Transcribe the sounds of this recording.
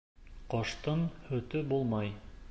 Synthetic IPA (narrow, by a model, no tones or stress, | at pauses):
qoʃt̪ɤnhɵ̆t̪ɵbulˠmɑj